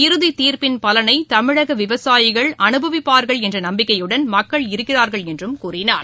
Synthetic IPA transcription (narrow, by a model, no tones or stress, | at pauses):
ɪɾɯðit̪iːɾpɪnpɐlɐnɐɪt̪ɐmɪɻɐɣɐʋɪʋɐsaːjɪɣɐɭʔɐnɯbʱɐʋɪpːaːɾɣɐɭɛndrɐnɐmbɪkːɐjɯɽɐnmɐkːɐɭɪɾɯkːɪraːɾɣɐɭɛndrɯmkuːrɪnaːɾ